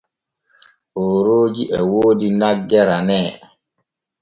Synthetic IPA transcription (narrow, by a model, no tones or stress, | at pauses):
ʔoɾoːd͡ʒiʔɛwoːdinaɡːɛɾanɛː